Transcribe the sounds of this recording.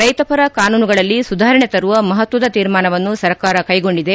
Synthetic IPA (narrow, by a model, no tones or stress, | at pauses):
ɾɐjt̪ɐpɐɾɐkaːnuːnuɡɐɭɐlːisud̪ʱaːɾɐɳet̪ɐɾuʋɐmɐɦɐt̪ʋɐd̪ɐt̪iːɾmaːnɐʋɐnːusɐɾkaːɾɐkɐjɡo̞ɳɖid̪e̞